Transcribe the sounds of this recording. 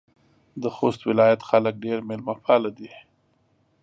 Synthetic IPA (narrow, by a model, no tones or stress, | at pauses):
d̪əxost̪wɪlɑjat̪xalək̚ɖeɾmelmapɑlad̪i